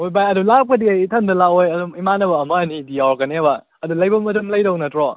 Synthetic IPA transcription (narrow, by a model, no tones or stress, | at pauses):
ojbajɐdulap̚kɐdiajtʰɐndɐlaojɐdumimanɐbɐːmɐɐnidiawɾkɐneba | ɐdulɐjbɐmɐtumlɐjdɔwnɐtɾɔ